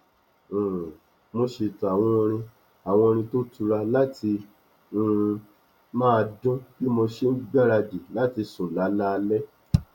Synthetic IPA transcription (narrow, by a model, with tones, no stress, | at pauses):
mo˧ʃe˧˨ta˨w̃ɔ̃˧o˧ɾ̃ĩ˧ | a˨w̃ɔ̃˧o˧ɾ̃ĩ˧to˦tu˧ɾa˧la˦tʰi˧ | ũ˦˧ | mãː˦˧dũ˦ki˦mo˧ʃe˦n̩˦ɡ͡ba˦ɾa˧d͡ʒi˨la˨˦ti˧sũ˨la˨˦la˦˧lɛ˦